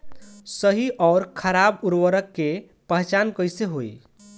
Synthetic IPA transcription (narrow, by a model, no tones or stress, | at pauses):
səɦiʔɔʊɾkʰəɾabuɾwəɾəkːe | pəɦt͡ʃankəjseɦoj